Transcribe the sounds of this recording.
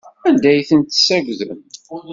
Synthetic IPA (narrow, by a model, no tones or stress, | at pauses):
ænd̪æjθənt̪sæɡʷðəm